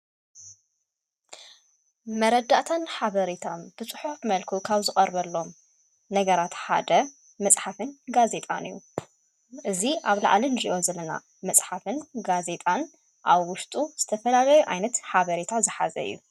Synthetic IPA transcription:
mɐɾɐd̪aʔt̪ʰanħaβɐɾit̪ʰomb̥ɨt͡sʼɨħufmɐlkʰukʰaβzɨkʼɐɾβɐlːo̞m | nɐɡɐɾat̪ħa̰d̪ɐ | mɐt͡sʼħafɨnɡaze̞t̪ʼa̰nɨ̰ju | ʔɨziʔaβla̰ʕlɐnziʔozɐlɐna̰ | mɐsʼħafɨnɡaze̞t̪ʼan | ʔaβwʊʃt̪ʼuz̥ɨt̪ʰɐfɐlalɐjuʔajnɐt̪ħaβɐɾet̪ʰazɨħa̰zɐ̰ɨ̰jːu

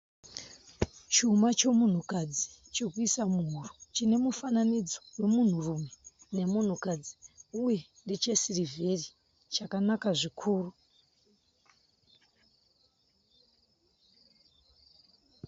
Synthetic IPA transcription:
t͡ʃumat͡ʃo̞mun̤ukad͡zi̥ | t͡ʃokuisamuɦurut͡ʃine̞mufananid͡zo̥we̞mun̤urume | ne̞mun̤ukad͡ziuje̞ | ndet͡ʃe̞siriveri | t͡ʃakanakaʐikʰuːru

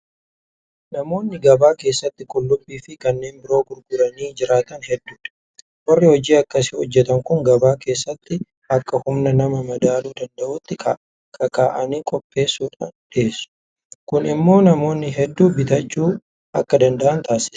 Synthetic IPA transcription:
nɐmo̞ːnːɪɡɐbaːke̞ːsːɐt̪ːɪkʊlːʊpʼːiːfɪkɐnːe̞ːnbɪɾo̞ːɡʊɾɡʊɾɐniːd͡ʒɪɾaːt̪ɐnhɛd̪ːuːᶑɐ̥ | wɐrːɪhɔd͡ʒiːɐkːɐsɪhɔd͡ʒːɛt̪ɐŋkʊŋɡɐbaːke̞ːsːɐt̪ːɪ | ɐkːɐhʊmnɐnɐmɐmɐd̪aːluːd̪ɐnd̪ɐʔʊt̪ːɪkʰa̰ʔ | kʰɐkaːʔɐniːkʼɔpʼːe̞ːsːuːᶑaːnᶑeːsːʊ̥ | kʊnɪmːo̞ːnɐmo̞ːnːɪɦɛd̪ːuːbɪt̪ɐt͡ʃːuː | ʔɐkːɐd̪ɐnd̪ɐʔɐnt̪aːsɪ̥s

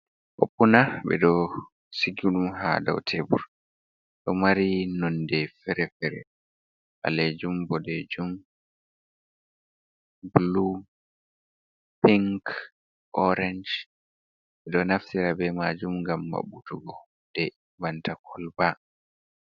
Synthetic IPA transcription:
ʔo̰pːunaɓɛ̰ɗɔ | siɡuɗumha̰da̰wtʰebṵɾ | ɗɔmaɾinɔndɛfɛɾɛfɛɾɛ̰ | ʔa̰led͡ʒumbɔdɛd͡ʒum | blu | piŋk | ʔɔɾɛnd͡ʒ | ɓɛɗɔnaftiɾabɛmad͡ʒumŋɡamːa̰ɓutuɡɔ | d̥ɛ | bantakʰɔlba

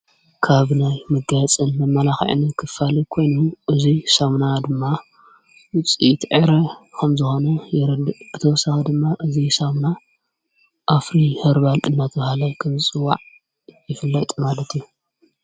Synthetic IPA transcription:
kʰaβnajmɨɡat͡sʼɨnmɐmːɐlaxḭʕ̰nikʰɨfalikʰo̞jnuʔɨzisamnad̪ɨmːa | wʊt͡sʼit̪ʕɨɾɐkʰɐmzɨxo̞nɐjɪɾɨd̪ɨʔb̥ɨt̪ʰɐwɔsaxɐd̪ɨmːaʔɨzisamna | ʔafɾihɨɾβalʔɨ̰nːat̪ʰbahalajkʰɐmzɨt͡sʼɨwːa̰ʕ | jɪfɨlːɐjt̪ʼmad̪ɐt̪ʰiu

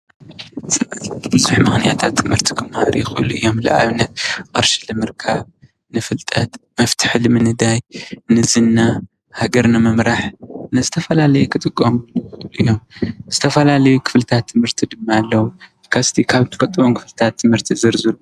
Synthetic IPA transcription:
sʼɨmɐt̪bɨzuħmɨxnijat̪ʰat̪ʰːɨmhɨɾt̪ʰi̥kʰɨmhaɾijɪxʼɨʔɨluʔɨjːo̞mlɐ̰ʔaβnːɐt̪kʼɨɾʃi̥lɨmɨɾkʰaβ | nɨfɨlt̪ʼɐt̪mɐft̪ʰɨ̥ħlɨmɨnɨd̪ajnɨzɨnːa | haɡɐɾnɨmɨmɾaħnɨzɨt̪ʰɐfɐlalɐjukʰɨt̪ʼɨkʼːomɨlɨ̰jːo̞mzɨt̪ʰɐfɐlalɐjukʰɨ̥flɨt̪ʰat̪ʰːɨmhɨɾt̪ʰid̪ɨmːaːlːɐwu | kʰast̪ʰikʰaβt̪ʰɨ̥fʼɐt̪ʼɨβomkʰɨ̥flɨt̪ʰat̪ʰːɨmhɨɾt̪ʰizɨɾzɨlu

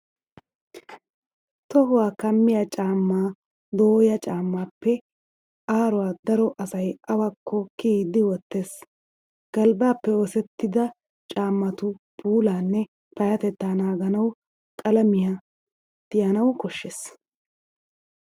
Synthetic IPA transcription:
t̪ɔɦʊwaːkɐmːɪjɐt͡ʃʼaːmːaː | d̪oːjɐt͡ʃʼaːmːaːpːɛ | ʔaːɾɔwaːd̪ɐɾɔʔɐsɐjʔɐwakʰːɔkiːd̪ɪwɔt̪ːe̞ːs | ɡ̥ɐlbaːpːɛɔsɛt̪ːɪd̪ɐ | t͡ʃʼaːmːɐt̪ʊpuːlaːnːɛ | pɐjɐt̪ɛt̪ːaːnaːɡɐnɐw | kʼɐlɐmɪja | t̪ːɪjɐnɐwkɔʃːeːs

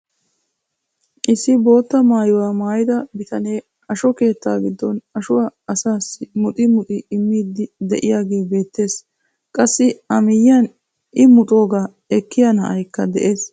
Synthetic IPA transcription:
ʔɪsːɪbo̞ːt̪ːɐmaːjʊwaːmaːjɪd̪ɐbɪt̪ɐne̞ː | ɐʃɔke̞ːt̪ːaːɡɪd̪ːɔnɐʃʊwaːɐsaːsːɪmʊt̪ʼɪmʊt̪ʼɪːmːiːd̪ːɪd̪ɛʔɪjaːɡe̞ːbe̞ːt̪ːe̞ːs | kʼɐsːɪɐmɪjan | ʔɪmʊt̪ʼo̞ːɡaː | ɛkːɪjanɐʔɐjkːɐd̪ɛʔe̞ːs

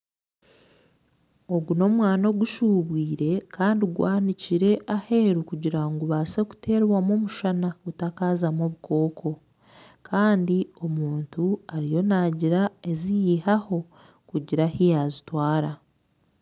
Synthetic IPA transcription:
o̞ɡuno̞mwaːno̞ɡuʃuβwiːɾe̞kaːndiɡwaːniciɾe̞ʔahe̞ːɾukuɟiɾaŋɡuβase̞ku̥tʰe̞ːɾβwamomuʃanaɡutakaːzamoβukʰo̞ːkʰo̞ | kʰaːndio̞muːntuaɾijo̞naːɟiɾae̞zijihaho̞ | kuɟiɾahijazitwaːɾa

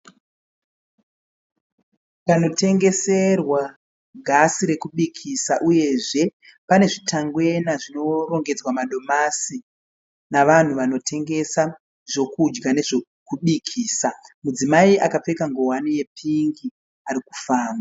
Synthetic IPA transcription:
kano̞te̞ŋɡe̞se̞rwa | ɡʱasiɾe̞kuɓikʰisaʔuje̞ʐe̞ | pane̞ʐitʰaŋɡwe̞naʐino̞ro̞ŋɡe̞d͡zwamaɗo̞masi | naʋan̤uʋano̞tʰe̞ŋɡe̞sa | ʐo̞kud͡ʒɡane̞ʐo | kuɓikʰiːsamud͡zimaiʔakap͡fe̞kaŋɡo̞ɦwanije̞pʰiŋɡi | aɾiku̥faːmba

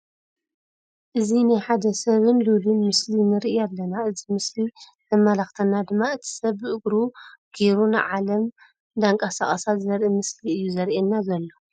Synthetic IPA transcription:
ʔɨzinajħad̪ɐsɐβɨnlulɨnmɨslinɨɾʔialːɐnaɨzimɨsli | zɐmːɐlaxt̪ʰɐnːad̪ɨmːaɨt̪ʰi̥sɐβːɨʔɨɡɾuɡ̥eɾunɨ̰ʕalɐm | d̪aŋkʼasaχʼɐsat̪zɐɾʔimɨsliɨjːuzɐɾʔenːazɐlːo

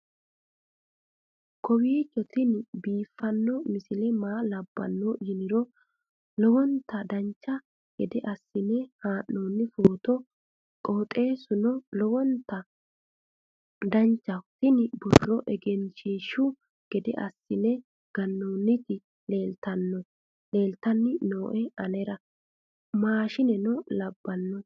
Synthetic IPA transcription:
kɔwiːt͡ʃːɔt̪ɪnbiːfːɐnːɔmɪsɪlɛmaːlɐbːɐ̰nːojɪnɪɾɔ | lɔwɔnt̪ːɐd̪ɐnt͡ʃːɐ | ɡ̥ɛd̪ɛʔɐsːɪnɛhaːnːoːnːɪfoːt̪ɔ | kʼoːt̪ʼe̞ːsʊnɔlɔwɔnt̪ːɐ | d̪ɐnt͡ʃːɐt̪ɪnɪbɔrːɔʔɛɡɛnʃiːʃʊ | ɡ̥ɛd̪ɛ̰ʔɐsːɪnɛ | ɡ̥ɐnːoːnːɪt̪ɪ | le̞ːlt̪ɐnːɔ | le̞ːlt̪ɐnːɪnoːʔɛɐnɛɾɐ | maːʃɪnɛnɔlɐbːɐnːɔ

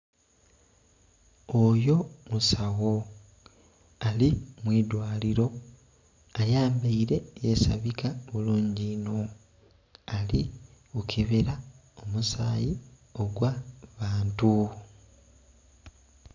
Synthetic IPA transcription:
ojo̞musawo̞ | alimwiːd̪waːliɾo̞ | ajaːmbaiɾe̞je̞sa̰βikaβuluːɲɟiːno̞ | ali | ukʰeβeɾa | omusaːji | o̞ɡwaβaːntu

